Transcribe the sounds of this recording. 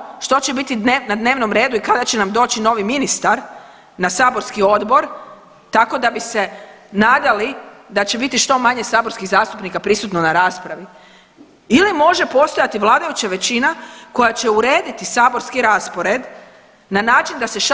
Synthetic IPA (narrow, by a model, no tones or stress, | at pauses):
ʃt̪o̞t͡ɕebit̪id̪enad̪ne̞ːʋno̞mɾe̞ːd̪uikad̪at͡ɕenamd̪o̞ːt͡ʃino̞ʋiminist̪aɾ | nasaːbo̞ɾskio̞d̪bo̞ɾ | t̪ako̞d̪abise̞ | naːd̪alid̪at͡ɕe̞bit̪iʃt̪o̞maɲe̞saːbo̞ɾskiɣzaːst̪upnikapɾisut̪nonaɾaːspɾaʋi | ilimo̞ʒe̞po̞st̪ojat̪iʋlˠaːd̪ajut͡ɕaʋe̞t͡ɕinako̞jat͡ɕe̞uɾe̞ːd̪it̪isaːbo̞ɾskiɾaspo̞ɾe̞d̪ | nanaːt͡ʃind̪ase̞ʃ